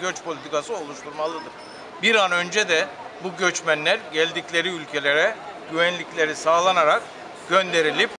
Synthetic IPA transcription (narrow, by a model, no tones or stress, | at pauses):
ɟøt͡ʃpʰo̞lʲit̪ʰikasɯo̞lˠuʃt̪ʰuɾmalˠɯd̪ɯɾ̥ | biɾanø̞nd͡ʒɛd̪ɛ | buɟø̞t͡ʃmænlʲæɾɟælʲd̪iclʲe̞ɾiylʲcʰe̞lʲeɾɛɟ̥yvænlʲiclʲe̞ɾisaːlˠanaɾak | ɟ̥ø̞nd̪e̞ɾilʲip̚